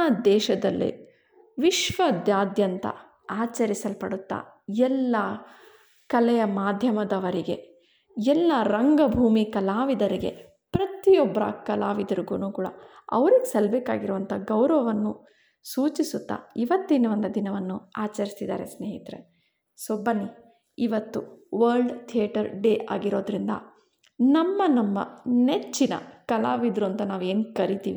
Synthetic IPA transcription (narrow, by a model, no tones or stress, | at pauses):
ad̪ɛːʃɐd̪ɐlːḭ | ʋiʃʋɐd̪jaːd̪jɐnt̪ɐ̰ | aːt͡ʃɐɾisɐlpɐɽut̪ːa̰ | ɛlːɐ | kɐlɛjɐmaːd̪ʱjɐmɐd̪ɐʋɐɾiɡe | ɛlːɐɾɐŋɡɐbʱuːmikɐlaːʋid̪ɐɾiɡe̞̰ | pɾɐt̪ijɔbːɐɾɐ̰kɐlaːʋid̪ɐɾuɡuːnuːkuːɽɐ̰ɐ̰ʋɐɾiɡesɐlbeːkːaːɡiɾuʋɐnt̪ʰɐɡɐwɾɐʋɐʋɐnːu | suːt͡ʃisut̪ːa̰iʋɐt̪ːinɐʋɐnd̪ɐd̪inɐʋɐnːuaːt͡ʃɐɾist̪id̪a̰ːɾe̞̰sneːjit̪ɾḛ | sobɐnːi | iʋɐt̪ːuʋɐɾɖt̪ʰijɐʈɐɾɖeːʔaːɡiɾo̞ːd̪ɾind̪ɐ̰ | nɐmːɐnɐmːɐ̰net͡ʃːinɐ̰kɐlaːʋid̪ɾuɐnt̪ɐnaːʋe̞ːnkɐɾit̪iːʋi